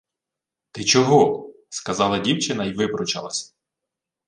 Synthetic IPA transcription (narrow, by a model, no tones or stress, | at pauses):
t̪ɪt͡ʃɔɦɔ | skɐzɑlˠɐdʲiwt͡ʃɪnɐiʋɪbɾɔt͡ʃɐ̰lˠɐsʲɐ̥